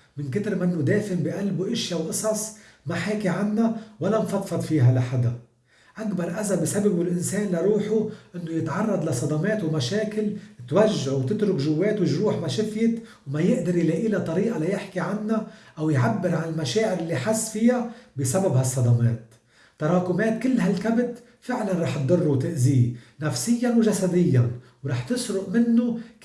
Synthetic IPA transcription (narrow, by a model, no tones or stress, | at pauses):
mɪnkɪt̪ɪɾmanːʊd̪eːfɪmbiʔalbuʔɪʃjawʔɨsˤɑsˤmaħaːkiʕanːawalːamfɑt̪fɑd̪ˤfiːɦalaħad̪a | ʔakbɑɾˤʔazabɪsababʊlʔɪnseːnliɾˤuːħuʔɪnːʊjɪt̪ʕɑrˤːɑd̪ˤlasˤɑd̪ɑmeːt̪wmaʃeːkɪlt̪waʒːaʕwt̪ɪt̪ɾʊkʒʊwːeːt̪wʒɾuːħmaʃɪfjɪt̪wmajɪʔd̪ɑɾˤjleːʔiːlat̪ˤɑɾiːʔalajɪħkiʕanːaʔawjʕabːɪɾʕanɪlmaʃeːʕɪɾɪlːiħasːfɪjabisababhasˤːɑd̪ɑmḛːt̪ː | ɑɾˤɑːkʊmeːt̪kɪlːɦalkabt̪ | fɪʕlanˤɑːħt̪̚d̪ˤʊrˤːut̪ɪʔzi | nafsɪjːanwʒasad̪ɪjːan | wɾˤɑːħt̪ɪsɾʊʔmɪnːʊ